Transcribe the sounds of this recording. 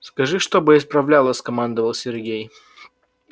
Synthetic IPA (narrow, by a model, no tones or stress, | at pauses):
skɐʐɨʂt̪obɨɪspɾɐvlʲalˠəsʲkɐmand̪əvəlˠsʲɪrɡʲej